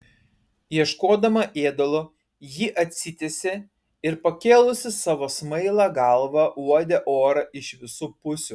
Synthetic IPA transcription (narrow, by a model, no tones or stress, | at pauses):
jiɛʃkoːd̪ɐmɐʔeːd̪olˠo | jiʔɐt̪ʲsʲɪt̪ʲesʲɪ | ɪɾpɐkʲeːlˠʊsʲɪsɑːʋoːsmɐɪlˠɑːɡɐlˠʋɐuɔd̪ʲɛʔoːɾɐʔɪʃʋʲɪsuːpʊsʲʊ